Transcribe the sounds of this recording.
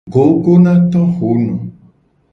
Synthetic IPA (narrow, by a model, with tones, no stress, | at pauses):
ɡo˨˦ɡo˦nã˦t̪ɔ˦xu˨˦nũ˨